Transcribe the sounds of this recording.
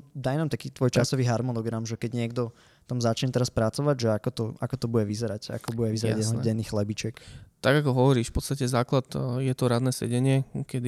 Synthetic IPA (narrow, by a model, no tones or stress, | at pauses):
d̪ajnamt̪akiːt̪ʋɔjt͡ʃasɔʋiːɦaɾmɔnɔɡɾamʒɛkɛɟɲɪɛɡd̪ɔ | t̪amzat͡ʃɲɛt̪ɛɾaspɾat͡sɔʋaɟʒɛakɔt̪ɔakɔt̪ɔbuɟɛʋizɛɾaca̰kɔbuɟɛʋizɛɾa̰ɟɛsɛɟɛnːiːxlɛbit͡ʃɛkt̪aɡakɔɦɔʋɔɾiːʃfpɔt̪st̪acɛzaːklad̪jɛt̪ɔɾad̪nɛːsɛ̰ɟɛɲɪɛkɛd̪i